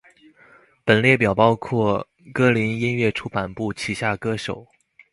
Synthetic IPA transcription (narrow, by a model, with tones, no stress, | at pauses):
pə˨˩nljɛ˥˩p̬jɑ˨˩ʊpɑ˥ʊkʰwɔ˥˩ | kɤ˥li˧˥ni˥nɥɛ˥˩ʈ͡ʂʰu˥pa˨˩npu˥˩t͡ɕʰi˨˩ɕja˥˩kɤ˥ʂo˨˩˦ʊ